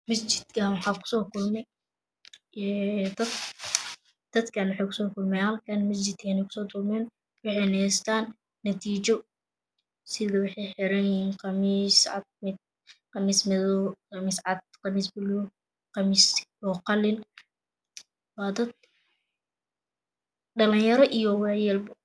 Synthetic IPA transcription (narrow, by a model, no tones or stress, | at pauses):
mɐst͡ʃɪd̪̥kʰɐwɑħɑːkʰʊ̥sɔːkʰʊlmɛ | d̪ɐd̪ | d̪̥ɐd̪kʰɐnwɑħɛjkʰʊ̥sɔːkʰʊlmɛjhɐlkʰɐnmɐs̬d͡ʒɪd̪̥̚kʰɛːnɛjkʰʊ̥sɔːt̪ʊlmɛːn | wɑħɛjnɛst̪ʰaːnː | ɐt̪ʰiːt͡ʃɔ | sɪðɐwɑħɑjħɪɾɐnjɪiːnqɑmiːsʕɑ̰d̪̚mɪd̪̚ | qɑmiːsmɪðɔqɑmiːsʕɑd̪̚qɑmiːsbɪlu | qɑmiːsɔqɑlɪn | wɑːd̪ɐd̪̚ | ɖɐlɪnjɐɾɔʔijɔwɛjɛlbɐ